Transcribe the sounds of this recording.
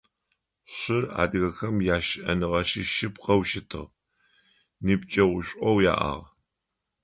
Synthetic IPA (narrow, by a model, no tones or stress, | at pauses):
ɕɪra̰ːdɨɣɐxɐmjaːʃɪʔɐnɨʁɐʃɪʃɪpqɐwʃɪtʰɨ̰ʁ | niːpt͡ʃʼɐʁʷʊɕʷʼɔwja̰ːʔa̰ːʁ